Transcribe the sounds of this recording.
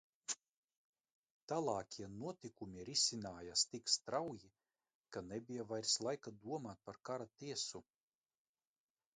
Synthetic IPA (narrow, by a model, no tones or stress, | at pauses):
t̪alˠɑːkʲʰiɛnuɔt̪ʲikumʲiɾisʲinaːjast̪ikst̪ɾawji | kanɛbʲijavajɾslˠajkad̪uɔmaːt̪̚paɾkaɾat̪iɛsu